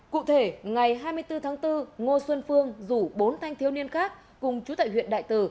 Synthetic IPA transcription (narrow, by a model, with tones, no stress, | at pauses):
kṵ˧˨t̪ʰe˧˩ŋa˨˩jɦaː˧jmɨ˧əjt̪ɨ˧t̪ʰaː˨˦ŋt̪ɨ˧ŋo˧swə˧nfɨ˧əŋzu˧˩ɓo˨˦nt̪ʰa˧jŋ̟t̪ʰi˦əwni˧ənxaː˦˥k̚ːkʊ˨˩ŋ͡mt͡ɕu˨˦t̪a̰ː˧˨jɦw̰ḭ˧˨ənɗa̰ː˧˨jt̪ɨ˧˩